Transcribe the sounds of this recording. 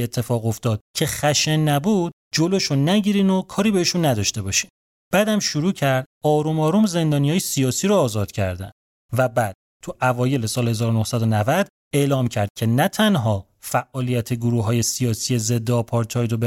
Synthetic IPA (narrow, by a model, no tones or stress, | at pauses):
et̪ʰːefɒːɣo̞ft̪ɒːd̪̥̚cʰe̞xæʃenːæbuːd̪̥̚d͡ʒoloʃonæɟiːɾiːnokʰɒːɾiːbeeʃunːæd̪ɒːʃt̪e̞bɒːʃi̥ːn | b̥æːd̪æmʃuɾuːcʰæɾd̪ɒːɾumɒːɾumze̞nd̪ɒːnijɒːjesijɒːsiːɾoːzɒːd̪̥cʰæ̰ɾd̪æ̰n | væbæd̪̥̚t̪ʰuʔævɒːje̞le̞sɒːlhe̞zɒːɾonohsæd̪onævæd̪̥ | e̞lɒːmcʰæɾd̪̚cʰe̞næt̪ʰænɦɒː | fæʔːɒːlijæt̪ʰeɡoɾuːɦɒːje̞sijɒːsije̞ze̞d̪ːeːpʰɒːɾt̪ʰɒːjɾob